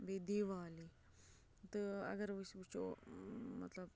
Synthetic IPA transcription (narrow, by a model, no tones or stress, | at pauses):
bed̪eʋaːli | t̪əə̰ɡəɾʋəsut͡ʃo̰ | mə̰t̪ləb